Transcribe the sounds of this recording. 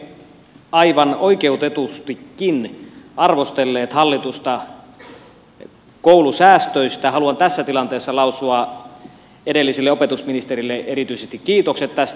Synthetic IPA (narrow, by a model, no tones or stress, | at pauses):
ɑiʋɑnoikeut̪et̪ust̪ikːinʔɑrʋost̪elːeːt̪hɑlːit̪ust̪ɑ | koulusæːst̪øist̪æhɑluɑnt̪æsːæt̪ilɑnt̪eːsːɑlɑusuɑ | edelːisilːeopet̪usminist̪eɾilːeeɾit̪yisest̪ikkːiːt̪okset̪t̪ːæst̪